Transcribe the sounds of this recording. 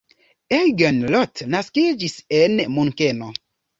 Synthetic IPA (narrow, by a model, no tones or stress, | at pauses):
ejɡenlɔtnaskid͡ʒisenmunkeno